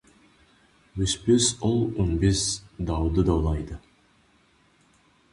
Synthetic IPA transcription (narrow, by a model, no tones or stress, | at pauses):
ɵspøsolˠonbesd̪ɑwd̪əd̪ɑwlˠɑjd̪ə